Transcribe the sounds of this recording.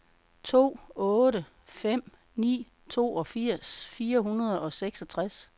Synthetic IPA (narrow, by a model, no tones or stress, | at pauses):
t͡sʰo̝̰ːɔ̽ːɾə | fem̰ | nḭː | t͡sʰo̝̰ːɒ̽fiɐ̰sfiːɐɦunɐð̞ˠɒ̽seɡ̥sɒt͡sʰʁas